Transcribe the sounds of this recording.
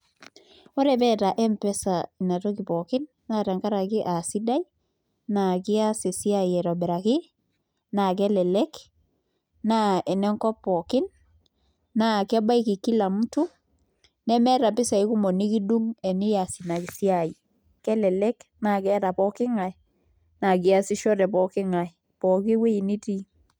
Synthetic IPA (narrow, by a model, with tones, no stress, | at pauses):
ɔ˦ɾɛ˨bɛ˦ta˨ʔɛ˦mpɛ˦sa˨i˨na˨to˦ki˨pɔ˨kɪ˦nːa˦ɾa˨ŋka˦ɾa˨kɪ˦ʔa˨si˦da˦i | na˨kɪ˦a˦si˨si˦a˦jɛ˨ɾɔ˨bɛ˨ɾa˨kɪ˦ | na˨kɛ˦lɛ˨lɛ˦k | na˦ɛ˨nɛ˦ŋkɔ˦pːɔ˨kɪ˦nː | a˦˨kɛ˦ba˦i˦kɪ˨ki˦la˨mu˦tu˦ | nɛ˦mɛ˦ɾa˨pɪ˦sa˨i˦ku˦mɔ˨ni˦ki˦du˦ŋɛ˨nɪ˦ja˨si˨na˨ki˨si˦a˨i˨ | kɛ˦lɛ˨lɛ˦kna˨kɛ˦ɾa˨pɔ˦kɪ˦ŋa˨ | na˨kɪ˦a˨sɪ˦ʃɔ˦ɾɛ˨pɔ˦kɪ˦ŋa˨j | pɔ˨kɪ˦we˦i˨ni˦ti˦